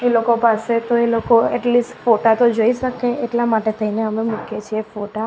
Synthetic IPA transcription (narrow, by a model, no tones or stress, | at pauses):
elokopaset̪oelokoɛʈlisʈfoʈat̪od͡ʒoiʃəkeeʈlamaʈet̪ʰəineəmemũkʰjet͡ʃʰiefoʈa